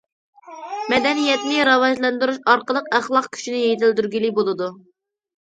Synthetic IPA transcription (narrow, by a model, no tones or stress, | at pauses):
mɛd̪ɛnijɛt̪nɪɾɑwɑʒlˠɑnd̪yɾuʃɑɾqəlˠəqæχlˠɑq̚kʲʰy̥ʃinɪjejt̪ʰɪld̪yɾɡʲilibolˠɨd̪u